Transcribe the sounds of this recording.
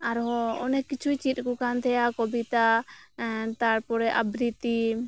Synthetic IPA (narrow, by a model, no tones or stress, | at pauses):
aɾɦɔɔnɛkit͡ʃʰujt͡ʃit̪̚ˀkɔkant̪ʰɛjakɔbit̪a | t̪aɾpɔɾɛʔabɾit̪i